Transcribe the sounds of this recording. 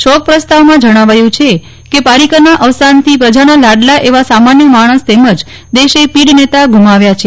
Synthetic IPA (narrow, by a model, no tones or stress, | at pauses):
ʃɔk̚pɾəst̪aʋmãd͡ʒəɽ̃aʋajũt͡ʃʰe | kepaɾikənaʔəʋsant̪ʰipɾəd͡ʒanalaɽlaʔeʋasamanjəmaɽ̃əst̪ɛməd͡ʒ | d̪eʃepiɽnet̪aɡʱumaʋjat͡ʃʰe